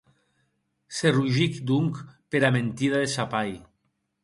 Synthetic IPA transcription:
seruʒikd̪uŋkpeɾament̪iðaðesapaj

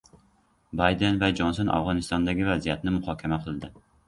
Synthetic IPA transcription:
bɑjd̪envad͡ʒonsonʔɑ̰vʁɒnɪst̪ɒnd̪aɡʲɪvazijat̪nɪmʊχɒːkʲʰamaqʰɨlˠd̪ɪ

